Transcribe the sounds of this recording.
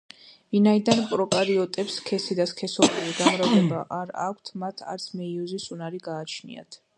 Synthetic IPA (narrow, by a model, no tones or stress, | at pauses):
vinaid̪anpʼɾɔkʼaɾiɔt̪ʼɛpskʰɛsid̪askʰɛsɔbʼiliɡamɾavd̪ɛbaʔaɾakʷʰt̪ʰmat̪ʰa̰ɾt̪sʰmɛiɔzisunaɾiɡaːt͡ʃʰnḭa̰t̪ʰ